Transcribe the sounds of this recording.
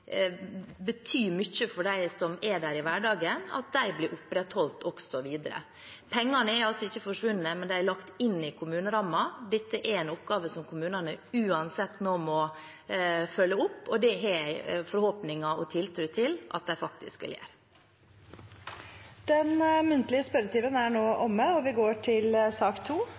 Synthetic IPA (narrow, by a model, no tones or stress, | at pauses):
bət̪ʰyːmʏçːəfɔɖæɪsɔmɛɖæːɾɪʋæɖɑːɡənɑ̰t̪̚d̪æɪblɪɾʔʊpɾɛt̪hɔlt̪ɔksɔʋiːd̪əɾə̰ | pʰɛŋːɑnəɛɾɑlsɔɪçːəfɔʂʋʉnn̩əmɛnd̪æɪæɭɑkt̪ɪnːɪkʰʊmʉːnəɾɑmːɑd̪ɛt̪ːəʔɛɾɛɪnʊpɡɑːʋəsɔmkʰʊmʉːnɑnəʉːɑnsɛt̪ːnɔmɔ | fœlːəʊpːɔd̪ɛɦɛfɔɾhoːpnɪŋɑɔt̪ʰɪlt̪ʰɾʉːt̪ʰɪlʔɑ̰t̪̚d̪æɪfɑk̚t̪ɪ̰skʋɪ̰ljæ̰ːɾ | d̪̥ɛnmʉnt̪lɪəspœɾət̪ʰiːʋənæɳoːʔɔmːəɔʋɪɡoːʈʰɪlsɑːkt̪ʰuː